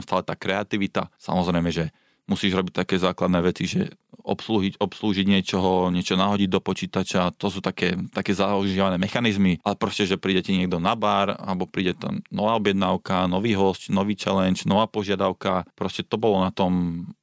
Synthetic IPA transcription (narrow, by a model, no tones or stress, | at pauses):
mst̪aːlɛt̪aːkɾɛat̪iʋit̪a̰sa̰mɔzɾɛjmɛʒɛ | musiːʒɾɔbic̚t̪akɛːzaːklad̪nɛːʋɛt͡siʒɛ̰ | ʔɔ̰psluːɦicɔpsluːʒiɟɲɪɛt͡ʃɔɦɔɲɪɛt͡ʃɔnaɦɔɟiɟd̪ɔpɔt͡ʃiːt̪at͡ʃat̪ɔsuːt̪akɛːt̪akɛːzauʒɪaʋanɛːmɛxanizmiʔalɛpɾɔscɛʒɛpɾiːɟɛcɛɲɪɛɡ̚d̪ɔnabaɾa̰lɛbɔpɾiːɟɛt̪ɛ̰nɔʋaːɔbjɛd̪naʊkanɔʋiːɦɔscnɔʋiːt͡ʃɛlɛnt͡ʃnɔʋaːpɔʒɪad̪aʊkapɾɔscɛt̪ɔbɔlɔnat̪ɔm